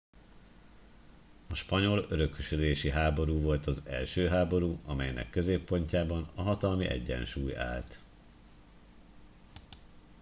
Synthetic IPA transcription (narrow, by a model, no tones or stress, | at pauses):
ɒʃpɒɲo̞løɾø̞kːyʃyleːʃiɦaːbo̞ɾuːvo̞lt̪ɒzɛ̰lʃøːɦaːbo̞ɾuːɒmɛjnɛ̰kːø̞zeːpːo̞ɲcaːbɒnɒɦɒt̪ɒlmiʔɛ̰ɟːɛ̰nʃuːja̰ːlt̪